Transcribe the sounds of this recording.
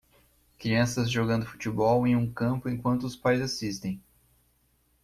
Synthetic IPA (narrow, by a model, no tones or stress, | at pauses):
kɾiɐ̃sɐzʒoɡɐ̃nd̪ʊfu̥t͡ʃibɔwẽj̃ũkɐ̃mpʊẽkwɐ̃nt̪ʊʊspajzasist̪ẽj̃